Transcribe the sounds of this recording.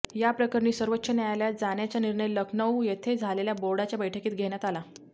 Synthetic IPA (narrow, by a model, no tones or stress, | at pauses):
japɾəkəɾɳiːsəɾʋət̪ːɕənjajljad͡zanjat͡ɕjaniɾɳəjləkʰnəwjet̪ʰed͡zʱaleljaboɽat͡ɕjabəjʈʰəkiːt̪̚ɡʱeɳ̃jat̪ala